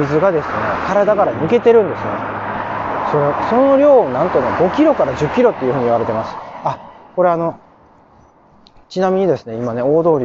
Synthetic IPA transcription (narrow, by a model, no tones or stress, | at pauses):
mʲizɨɡad̪e̞sɨne̞̰kaɾad̪aɡaɾanɯ̟ke̞t̪e̞ɾɯ̟̃nd̪e̞sɨnḛ | so̞ɾeso̞no̞ɾʲo̞ːnãnt̪o̞ne̞ɡo̞kʲiɾo̞kaɾaʑɨkʲːiɾo̞t̪ːe̞iɯ̟hɯ̟ɲiβaɾe̞t̪e̞masɨ̥ako̞ɾe̞ano̞ | t͡ɕinamʲiɲ̟id̪e̞sɨne̞imane̞o̞ːd̪o̞ːɾʲi